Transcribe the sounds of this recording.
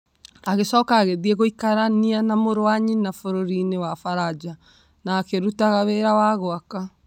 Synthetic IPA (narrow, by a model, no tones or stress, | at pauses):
aɣesɔːkaːɣeðiɛɣoikaɾanianamoɾowaɲinafoɾoɾinewafaɾad͡ʒa | nakeɾutaɣaβeɾawaɣoaka